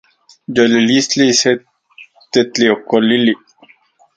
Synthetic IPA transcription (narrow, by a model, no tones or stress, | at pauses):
d͡ʒolilislise | t̪et̪liokolili